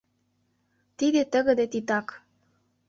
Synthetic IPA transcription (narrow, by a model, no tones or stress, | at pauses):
t̪id̪et̪ə̆ɣə̆d̪et̪it̪ɑk